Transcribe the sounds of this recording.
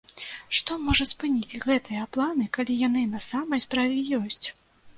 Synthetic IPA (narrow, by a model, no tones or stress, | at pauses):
ʂt̪ɔmɔʐɐspɨnʲit͡sʲɣɛt̪ɨjɐplˠanɨkalʲijan̪ɨnɐsamɐjspɾavʲɛjɔsʲt͡sʲ